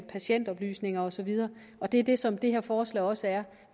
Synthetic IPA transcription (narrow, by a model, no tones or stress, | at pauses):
pʰæɕen̰d̥ɒ̽b̥ly̰ːsne̝ŋɐɒ̽sɒ̽ʋið̞ˠɐː | ɒ̽d̥e̝æd̥e̝sɒ̽md̥e̝ɦeɐfɒːslɛ̰ɪɒ̽səæɐ